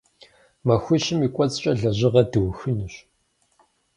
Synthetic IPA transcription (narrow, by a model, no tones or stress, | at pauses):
mɐxʷʊɕɪmiːkʷʼɔt͡sʼt͡ʃʼɐɮɐʑɪʁɐdɨwxɨnɨɕ